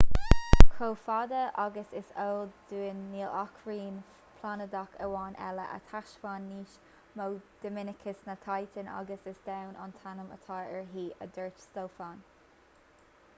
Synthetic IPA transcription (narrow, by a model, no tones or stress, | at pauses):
kʰoːfad̪əʔaɡəsɪsəːld̪uːənːiːlakʰɹiːn | pʰlanəd̪akʰəwɑːnʔɛ̰lə̰ʔə̰t̪ʰaʃwaːnːiːʃ | mowd̪̥əmɪnɪkʰəsnat̪ʰajt̪ʰənʔa̰ɡəsɪsd̪̥awnʔa̰nt̪ʰanəmə̰t̪ʰɑːɛɹɦiːʔəd̪əɹt͡ʃstoːfaːn